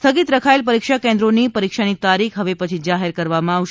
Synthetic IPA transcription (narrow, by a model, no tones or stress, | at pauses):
t̪ʰəɡit̪ɾəkʰaelpəɾikʃakẽnd̪ɾonipəɾikʃanit̪aɾikʰɦəʋepət͡ʃʰid͡ʒaɦeɾkəɾʋamãaʋʃ